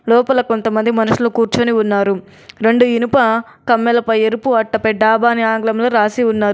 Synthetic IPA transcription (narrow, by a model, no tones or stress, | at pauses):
lɔːpɐlɐkont̪ɐmɐnd̪imɐnuʂulokuːɾt͡ʃoːniunːaːɾu | ɾe̞ɳɖuinipɐ | kɐmːɛlɐpɐjeɾupuɐʈːɐpɛɖaːbaːniaːŋɡlɐmloːɾaːsiunːaːɾu